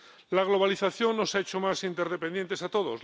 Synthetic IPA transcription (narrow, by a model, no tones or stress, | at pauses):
laɣ̞lo̞β̞aliθaθjo̞ŋːosae̞t͡ʃo̞masint̪e̞ɾð̞e̞pend̪je̞nt̪e̞sat̪o̞ðos